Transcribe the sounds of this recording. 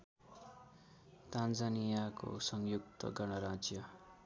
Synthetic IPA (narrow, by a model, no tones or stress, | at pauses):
t̪and͡zanijako̰sʌŋjuk̚t̪ʌ̰ɡʌnʌɾãd͡zjʌ